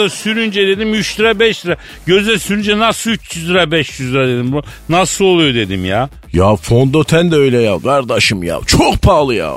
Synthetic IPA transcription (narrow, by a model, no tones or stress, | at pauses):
asyɾynd͡ʒɛd̪e̞d̪imyt͡ʃd̪ɯɾabɛʃd̪ɯɾa | ɟøzd̪ɛsyɾynd͡ʒɛnasɯyt͡ʃʰjyzd̪ɯɾabɛʃjyzd̪ɯɾad̪e̞d̪im | nasɯlˠo̞lˠujo̞d̪e̞d̪imjaː | jafond̪ot̪ʰænd̪ɛøjlʲɛjaɡaɾd̪aʃɯmja̰ːt͡ʃʰokpʰaːlˠɯja̰